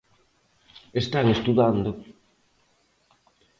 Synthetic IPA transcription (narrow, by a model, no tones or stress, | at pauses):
est̪aŋest̪uðand̪o